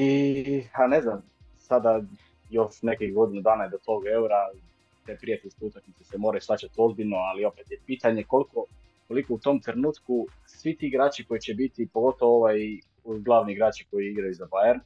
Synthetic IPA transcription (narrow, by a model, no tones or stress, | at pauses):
ipane̞znam | sad̪a | jo̞ʃne̞kihɡo̞d̪inud̪aːnajed̪o̞t̪o̞ɡe̞uɾa | t̪e̞pɾijat̪eʎʲskeut̪aknit̪sesemo̞ɾajuslˠat͡ɕat̪o̞zbiʎnoalio̞pet̪jepiːt̪aɲe̞ko̞lˠiko̞ | ko̞likout̪o̞mt̪ɾenuːt̪ku | sʋit̪iːɡɾaːt͡ɕiko̞it͡ɕebit̪ipo̞ɡo̞t̪oʋooʋaj | uɡlˠaːʋniiɡɾaːt͡ɕiko̞jiiɡɾajuzabajeɾn